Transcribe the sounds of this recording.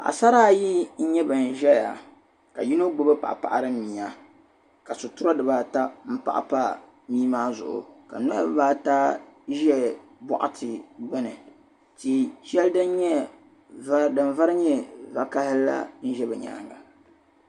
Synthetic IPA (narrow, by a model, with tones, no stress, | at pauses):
ʔa̰˨sa˦ɾaː˦ji˦n̩˦ɲɛ˦bɨ˨n˨ʒɛ˦ja̰˨ | ka̰˨ji˦no˦ɡ͡bo˦bɨ˦pa˨ʔpa̰˨ʔa˨ɾɨ˦mi˨a˦ | ka˨so˨tʊ˦ɾa˦dɨ˨baː˦ta˦m̩˦pa̰˦˨ʔa̰˨pa˦ | miː˦maː˦zʊ̰˨ʔʊ̰˨ka̰˨nɔ˦a˦bɨ˨baː˦ta˦ʒɛ˦ | bɔ̰˨ʔa̰˨tʰɨ˨ɡ͡bɨ˦nɨ˨ | ti˨ʃɛ˦ldɨ˦n˦ɲɛ˦ | dɨ˨nva˦ɾɨ˦ɲɛ˦va˨ka˦hɪː˦a̰˦n̩˦ʒɛ˦bɨ˨ɲa̰ː˨ŋɡa˨